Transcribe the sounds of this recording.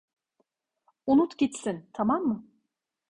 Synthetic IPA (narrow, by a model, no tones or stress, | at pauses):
unut̪ɟit̪sint̪ʰamamːɯ